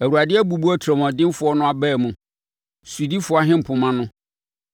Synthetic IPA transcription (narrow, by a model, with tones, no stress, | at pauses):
æ˨wu˨a˨dɪ˦æ˦bu˨bu˦ɔ˦tʰɾɔ˨mɔ̃˨dɪ˦m˦fʊ˨˦ɔ˦nʊ̃˦a˨bɛː˦˨mũ˨ | su˨di˦fʊ˦a˦ɦɪ̃˦m̩˨pʰʊ̃˨mã˦nʊ̃˦